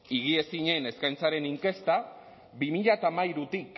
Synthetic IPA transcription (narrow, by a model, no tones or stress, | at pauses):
iɣ̞ie̞siɲe̞neskajnt͡saɾe̞niŋke̞st̪a | bimiʎat̪amajɾut̪ik